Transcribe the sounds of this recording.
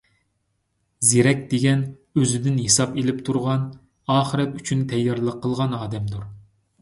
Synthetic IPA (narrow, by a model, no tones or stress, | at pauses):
zeɾɛkʲd̪eɡʲɛn | øzɪd̪ɪnhesɑpelɪpt̪ʰuɾʁɑn | ɑːχəɾɛt̪y̥t͡ʃʰynt̪ʰɛjːɑɾlˠəqʰːəlˠʁɑnɑːd̪ɛmd̪uɾ